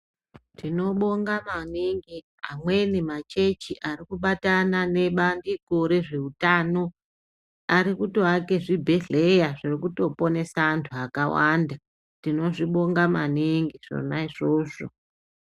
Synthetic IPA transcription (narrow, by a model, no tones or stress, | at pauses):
tino̞ɓo̞ŋɡamaniŋɡi | a̰mwe̞nimat͡ʃe̞t͡ʃiʔarikuɓatanane̞ɓandiko̞ɾe̞ʐe̞utaːno̞ | aɾikutoake̞ʐibʱe̞ɮe̞jaʐirikuto̞po̞ne̞santʰuakawanda | tino̞ʐiɓo̞ŋɡama̰niŋɡiʐ̥o̰naiʐo̞ːʂo̰